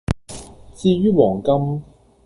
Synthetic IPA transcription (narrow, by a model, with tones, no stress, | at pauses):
t͡siː˧ɥyː˥wɔː˨˩ŋkɐ˥m